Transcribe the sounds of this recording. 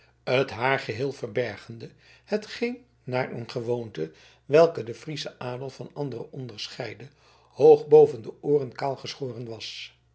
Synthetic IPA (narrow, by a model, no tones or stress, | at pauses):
ətɦaːɹχəɦɪːlˠvəɹbɛɹχəndə | hətχɪŋ | naːɹənχəʋowntə | ʋɛlˠkədəfrisəʔaːdəlˠvɑnɑndərəʔɔndəɹsχɛjdə | howχbowvəndəʔʊːrənkaːlˠχəsχoːrənʋɑs